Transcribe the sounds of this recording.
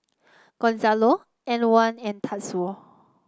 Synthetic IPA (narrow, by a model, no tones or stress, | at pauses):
ɡ̥ɔ̃nzalo | ɛ̃nwãnɛ̃ntʰatsu